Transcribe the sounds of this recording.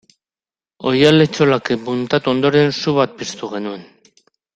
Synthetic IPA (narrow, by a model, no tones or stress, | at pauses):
o̞jalet͡ʃo̞lakebunt̪at̪uo̞nd̪o̞ɾe̞nsuβat̪̚pist̪uɣe̞nue̞n